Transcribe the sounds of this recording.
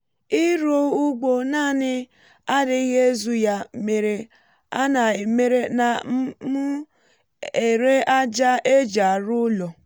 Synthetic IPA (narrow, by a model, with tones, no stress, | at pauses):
i˦ɾo˦u˦ɡ͡bo˨na˦˨nɪ˦ | a˦dɪ˦i˦ɦe˦e˦zu˦ja˨me˨ɾe˨ | a̰˦na˨e˨me˨ɾe˦na˨˦mu˦ | e˨ɾe˦a˦d͡ʒa˦e˦d͡ʒa˨ɾʊ˦lɔ˨